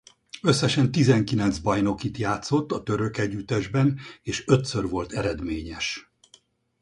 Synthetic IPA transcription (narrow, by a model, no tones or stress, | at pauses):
ø̞sːɛʃɛnt̪izɛŋkilɛnt̪zbɒjno̞kit̪jaːt̪so̞t̪ːɒt̪ø̞ɾø̞kɛɟːyt̪ɛʒbɛneːʃø̞t̪sørvo̞lt̪ɛɾɛd̪meːɲɛʃ